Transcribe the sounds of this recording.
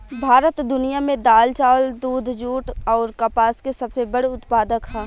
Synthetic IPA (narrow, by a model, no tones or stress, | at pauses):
bʱaːɾət̪d̪ʊnijamẽd̪aːlt͡ʃaːʋəld̪uːd̪ʱd͡ʒuːʈɔːɾkɐpaːskesɐbsebɐɽeʊt̪paːd̪əkɦɛː